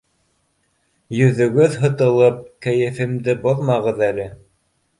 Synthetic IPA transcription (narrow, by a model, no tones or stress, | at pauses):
jɵ̆ðɵ̆ɡɵðɦɤ̆t̪ɤ̆lˠɤp̚kæ̆jɘ̆fɘ̆md̪ɘboðˠmɑʁɤ̆ðælɘ